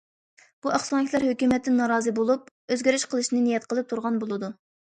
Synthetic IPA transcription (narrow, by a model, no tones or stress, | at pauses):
b̥uæχsɑŋɪkʲlˠæɾhøkʲymɛt̪ʰːɪnːɑɾɑːzɨbolˠup̚ | øzɡʲeɾyʃqʰəlˠɨʃnɨnijɛt̪qʰəlˠɨp̚t̪ʰuɾʁɑnbolˠɨd̪u